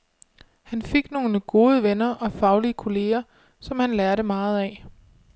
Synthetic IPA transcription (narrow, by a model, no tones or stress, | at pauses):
hænfe̝ɡ̥no̝ːnəɡ̥o̝ːð̞ˠəʋenɐʔɒ̽fɑ̈ʊliəkʰo̝le̝ːɐ | sɒ̽mhænlæɐɾəmɑ̈ːð̞̩ˠɛ